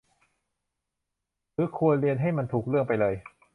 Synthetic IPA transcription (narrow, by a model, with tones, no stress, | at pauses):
ɾɯː˨˦˥kʰu˧ənɾi˧ənɦa˥˩jma˧nt̪ʰuː˨˩k̚ɾɯ˥˩əŋpa˧jlɤː˧j